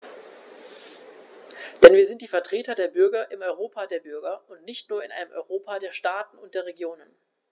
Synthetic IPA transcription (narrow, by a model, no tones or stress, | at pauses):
d̥ɛnviːɐzɪnt̚d̥iːfɛɐtʁ̥eːtɐdeːɐbʏɐɡɐʔɪmɔʏʁ̞oːpʰaːdeːɐbʏɐɡɐʊntnɪçtnuːɐɪnʔa̰ɪnəmʔɔ̰ʏʁoːpadeːɐʃtaːtn̩ʊntd̥eːɐʁeɡjoːnən